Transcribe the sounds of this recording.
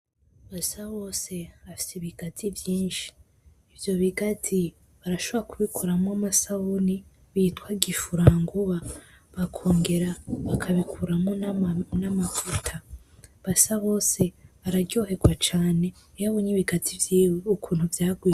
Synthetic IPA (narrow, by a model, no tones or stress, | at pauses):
βasaβo̞ːse̞βafi̥seβiɡ̥atʰivjiːnʃi̥ː | vjo̞βiɡatʰi | βaɾaʃoβoakuβikʰuɾamŋoamasauni | βiːtwaɡifuɾaːŋɡuβa | βakʰo̞ːŋɡe̞ɾaβakʰaβikʰuɾamonamafutʰaβasaβo̞ːse̞βaɾaɾɟo̞ːhe̞ɡwat͡ʃaːne̞ | jaβoɲiβiɡatʰivjiweukʰuːn̥huvjaːɡwiː